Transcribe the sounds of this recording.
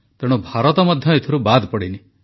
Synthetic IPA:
t̪eɽ̃ubʱaɾɔt̪ɔmɔd̪ʱjɔet̪ʰɔɾubad̪pɔɽini

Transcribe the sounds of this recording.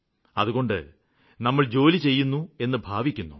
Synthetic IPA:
ɐðuɣo̞ɳɖɨ̰ | nɐmːɐɭd͡ʑo̞ːlit͡ɕe̞jːunːue̞nːɨbʱaːʋikʲːunːu

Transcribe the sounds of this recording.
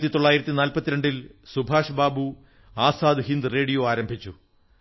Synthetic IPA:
t̪ːit̪o̞ɭːaːjiɾɐt̪ːinaːlpɐt̪ːiɾɐɳɖilsubʱaːʂɐbaːbu | aːsaːd̪ɦind̪ɨre̞ːɽijo̞ːaːɾɐmbʱit͡ɕːu

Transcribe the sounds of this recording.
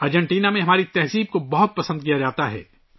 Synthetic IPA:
ɐɾd͡ʒɛ̃ɳʈiːnamẽɦɐmaːɾit̪ɛɦziːb̚kobɐɦʊt̪̚pɐsə̃nd̪̚kijad͡ʒaːt̪aɦɛ̰ː

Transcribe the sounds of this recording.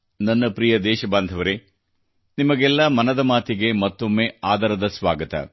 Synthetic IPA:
nɐnːɐpɾijɐd̪ɛːʃɐbaːnd̪ʱɐʋɐɾe | nimɐɡɛlːɐmɐnɐd̪ɐmaːt̪iɡe̞mɐt̪ːomːeːaːd̪ɐɾɐd̪ɐsʋaːɡɐt̪ɐ̰

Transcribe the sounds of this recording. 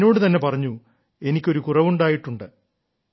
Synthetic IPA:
no̞ːɽɨt̪ɐnːe̞pɐrɐɲːu | e̞nikʲːoɾukurɐʋuɳɖaːjiʈːuɳɖɨ

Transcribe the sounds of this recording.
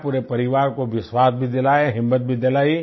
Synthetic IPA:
puːɾepɐɾɪʋaːɾkoʋɪswaːsbʱid̪ɪlaːeɦɪmːət̪̚bʱid̪ɪlaːi

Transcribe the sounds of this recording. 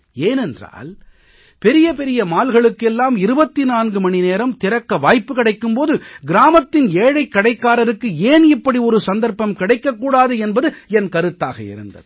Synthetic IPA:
eːnɛndra̰ːl | pɛɾɪjɐpɛɾɪjɐmaːlɣɐɭɯkːɛlːaːmɪɾɯbɐt̪ːinaːnɡɯmɐnɪneːɾɐmt̪ɪɾɐkːɐʋaːjpːɯkɐɽɐɪkːɯmpoːðɯɡɪɾaːmɐt̪ːɪneːɻɐɪkːɐɽɐɪkːaːɾɐɾɯkːɯeːnɪpːɐɽiɔɾɯsɐnd̪ɐɾpɐmkɪɽɐɪkːɐkːuːɽaːðɯɛnbɐðɯɛnkɐɾɯt̪ːaːɣɐ̰ɪ̰ɾɯ̰nd̪ɐ̰ðɯ

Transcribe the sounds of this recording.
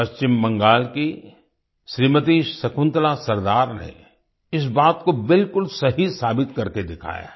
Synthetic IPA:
pɐst͡ʃɪmːɐ̃ŋɡaːlki | ʃɾiːmət̪̬iːʃsɐkʰʊ̃nt̪lasɐɾd̪aːɾnḛ̃ | ɪs̬baːt̪kobɪlkʊlsɐɦisaːbɪt̪kɐɾked̪ɪkʰa̰ːja̰ː

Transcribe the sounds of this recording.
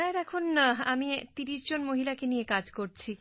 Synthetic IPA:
aed̪ɛkʰonamit̪iɾiʃd͡ʑonmoɦilakenijekad͡ʑkoɾt͡ɕʰi

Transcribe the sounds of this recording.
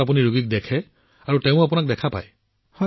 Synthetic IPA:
apuniɹuɡik̚dɛkʰɛ | aɹuteʊ̃apunak̚dɛkʰapa̰j | hɔ

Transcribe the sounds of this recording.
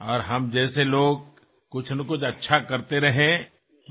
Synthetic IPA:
ɔːɾɦɐmd͡ʒɛːseloːɡ̚ | kʊt͡ʃʰnɐkʊt͡ʃʰɐtːʃʰakɐɾt̪eɾɐɦẽ

